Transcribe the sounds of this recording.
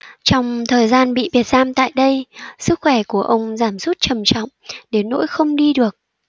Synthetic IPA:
t͡ɕɔ˧wŋ͡mt̪ʰəː˨˩jzaː˧nɓḭ˧˨vi˨˩ət̚zaː˧mt̪a̰ː˧˨jɗə˧jsɨ˦˥k̚xwɛ˧˩ku˧˩əʔə˧wŋ͡mzaː˧˩msu˦˥t̚t͡ɕə˨˩mt͡ɕɔ̰˧˨wŋ͡mɗe˨˦nːo̰˧˥jxə˧wŋ͡mɗi˧ɗɨ˨˩ək̚

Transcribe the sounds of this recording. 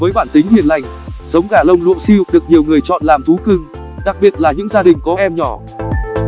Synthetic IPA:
vəː˨˦jɓaː˧˩nt̪ï˨˦ŋhi˨˩ənla˨˩jŋ̟ | zə˨˦wŋ͡mɣaː˧˩lə˧wŋ͡mlṵ˧˨si˧˨˩k̚ɗɨ˨˩ək̚ɲi˨˩əwŋɨ˨˩əjt͡ɕɔ̰˧˨nlaː˨˩mt̪ʰu˨˦kɨ˧ŋ | ɗa˨˩k̚ɓi˨˧˩ət̚laː˨˩ɲɨ̰˧˥ŋzaː˧ɗï˨˩ŋ̟kɔ˨˦ʔɛ˧mɲɔ˧˩

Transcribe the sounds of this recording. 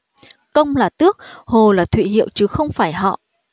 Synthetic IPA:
kə˧wŋ͡mlaː˨˩t̪ɨ˦˥ək̚ho˨˩laː˨˩t̪ʰwḭ˧˨ɦḭ˧˨əwt͡ɕɨ˨˦xə˧wŋ͡mfaː˧˩jɦɔ̰˧˨

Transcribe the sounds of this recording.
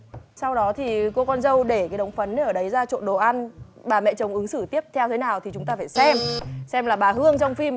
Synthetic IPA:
sa˧wɗɔ˨˦t̪ʰi˨˩ko˧kɔ˧nzə˧wɗe˧˩kaː˨˦jɗə˨˦wŋ͡mfə˨˦nʔəː˧˩ɗə˨˦jzaː˧t͡ɕo̰˧˨nɗo̰˨˩ʔa˧n | ɓaː˨˩mɛ̰˧˨t͡ɕə˨˩wŋ͡mʔɨ˨˦ŋsɨ˧˩t̪i˦˥əp̚t̪ʰɛ˧wt̪ʰe˨˦naː˨˩wt̪ʰi˨˩t͡ɕʊ˨˦ŋ͡mt̪aː˧faː˧˩jsɛ˧msɛ˧mlaː˨˩ɓaː˨˩ɦɨ˧əŋt͡ɕɔ˧wŋ͡mfi˧m

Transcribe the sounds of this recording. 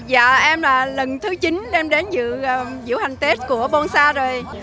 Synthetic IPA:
za̰ː˧˨ʔɛ˧mlaː˨˩lə˨˩nt̪ʰɨ˨˦t͡ɕi˨˦nɗɛ˧mɗa˨˦nzɨ̰˧˨˧zɨ̰˧˥əwha˨˩jŋ̟t̪e˦˥t̚ku˧˩əɓo˧nsaː˧zo˨˩j

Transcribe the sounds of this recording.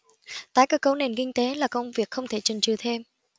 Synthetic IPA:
t̪aː˨˦jkəː˧˥kːə˨˦wne˨˩nkï˧ŋ̟t̪e˨˦laː˨˩kə˧wŋ͡mvi˨˩ək̚xə˧wŋ͡mt̪ʰe˧˩t͡ɕɨ˨˩ŋt͡ɕɨ˨˩t̪ʰe˧m

